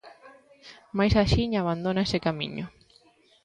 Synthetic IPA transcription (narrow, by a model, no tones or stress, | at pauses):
majsaʃiɲaβand̪õnaesɪkamḭ̃ɲʊ